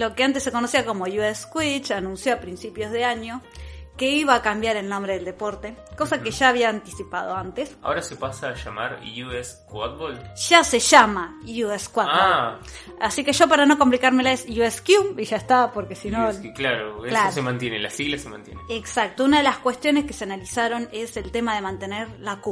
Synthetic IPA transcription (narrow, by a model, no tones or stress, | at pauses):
lo̞keant̪esːe̞ko̞nosiako̞mo̞jueskwit͡ʃanũnsjo̞apɾinsipjo̞zðe̞aɲo̞ke̞iβaːkambjaɾe̞lnõmbɾeðeld̪epo̞ɾt̪e̞ko̞sakeʒaːβ̞iaːnt̪isipaðo̞ant̪esa̰oɾasepasaːʃamaɾjueskwat̪̚bolʃaseʃamajueskwatao | asike̞ʒo̞paɾano̞komplikaɾmelaesjueskjuiʒaest̪apo̞ɾkesinoklaɾoelsoɾosemãnt̪jenela̰siɣlasemã̰nt̪jeneeksak̚t̪ounaðe̞laskwe̞st̪jo̞neske̞̥se̞analisaɾo̞ne̞se̞lt̪e̞maðe̞mãnt̪e̞neɾlaku